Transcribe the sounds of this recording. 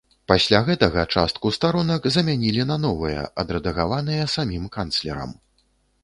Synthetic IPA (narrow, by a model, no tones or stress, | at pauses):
pasʲlʲaɣɛt̪ɐɣɐt͡ʂa̰st̪̚kust̪aɾɔnɐkzɐmʲanʲilʲinɐnɔvɨjɐ̰ʔɐd̪ɾɐd̪ɐɣavanɨjɐsamʲimkant̪slʲɛ̰ɾɐ̰m